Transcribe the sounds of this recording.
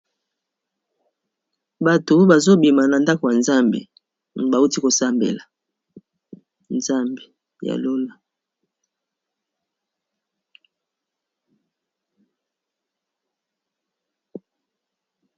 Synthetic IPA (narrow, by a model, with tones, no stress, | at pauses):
ba˨to˨˦ba˨zo˦bi˨ma˨na˨nda˦ko˨ja˨nza˦mbḛ˨ | ba˨u˦ti˦ko˨sa˦mbḛ˨la˨ | nza˦mbe˨ | ja̰˨lo˦la˨